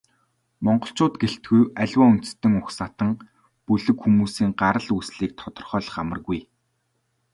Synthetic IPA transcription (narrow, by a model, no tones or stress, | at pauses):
mɔɴɢɞ̆ɬt͡ɕʊːt̪ɡeɬt̪̚ɡujæɮʲwaːun̥t̪̆st̪ɘ̆ŋʊxsat̪ə̆ŋ | pɵɮɵ̆kxumuːsiːŋɢaɾə̆ɮusɮiːk̚t̪ʰɔt̪ɞ̆rχœːɮə̆χamə̆rɣuj